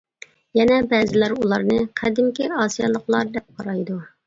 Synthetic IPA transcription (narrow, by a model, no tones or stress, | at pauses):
jɛnɛbɛːzɪlæɾulˠɑɾnɨqʰɛd̪ɪmkʲiɑːsijɑlˠəqlˠɑɾd̪ɛp̚qʰɑɾɑjd̪u